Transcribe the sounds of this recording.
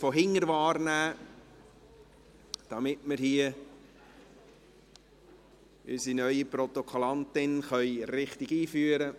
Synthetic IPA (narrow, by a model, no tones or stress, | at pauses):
foɦɪŋəɾvɑːɾnæː | d̥ɑmɪtməɾhiə | ʔy̰sinœʏiprɔt̪okʰolɑntɪnχœʏɾɪχtɪɡiːfyːəɾə